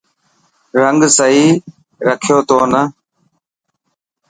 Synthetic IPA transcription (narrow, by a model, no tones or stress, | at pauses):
ɾəŋɡsəiː | ɾəkʰjoːt̪oːnə